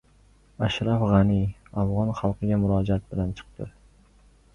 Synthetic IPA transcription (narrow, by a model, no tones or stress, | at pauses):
aʃɾafʁɑnɪafʁɒnχɑlˠqʰɨɡʲamʊɾɒd͡ʒaat̪̚bɪlant͡ʃʰɨ̥q̚t̪ɪ